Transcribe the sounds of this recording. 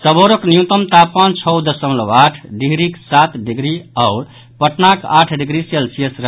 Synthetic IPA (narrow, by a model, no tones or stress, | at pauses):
səboɾoknijut̪əmt̪apant͡ʃʰɔwd̪əsəmləwaʈʰɖiɡɾiksat̪ɖiɡɾiaʊɾ | pəʈnakaʈʰɖiɡɾiselsiesɾə